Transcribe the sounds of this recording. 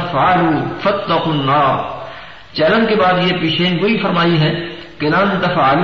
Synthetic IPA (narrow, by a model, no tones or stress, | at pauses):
ɐfaːluːfɐt̪ːɐquːnːaːɾ | t͡ʃɛːlə̃nkebaːd̪jepiːʃeːnboifɐɾmaːiɦɛ̃ː | kelaːnt̪ɐfaːl